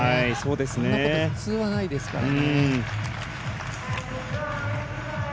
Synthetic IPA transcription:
haiso̞ːd̪e̞sɨnea̞t͡sɨːβanaid̪e̞sɨ̥ka̰ɾaɯ̃ɴ

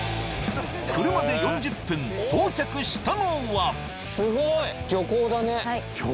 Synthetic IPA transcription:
kɯ̟ɾɯ̟mad̪e̞jõ̞ɲd͡ʑɯpːɯ̟̃nt̪oːt͡ɕakɯ̟ɕi̥t̪anoβa | sɨɡoiɡʲjo̞koːd̪ane

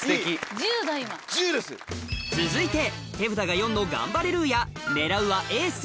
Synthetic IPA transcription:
seçid͡ʑɨːd̪aiβad͡ʑɨːd̪esɨ̰t͡sɨzɨit̪e̞ | t̪e̞bɯ̟t̪aɡajõ̞nːo̞ɡã̰mbaɾeɾɯ̟ja | ne̞ɾaɯ̟βaʔe̞ːs

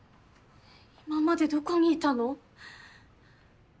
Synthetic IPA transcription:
imamːad̪ed̪ukʰaŋiːt̪ːano

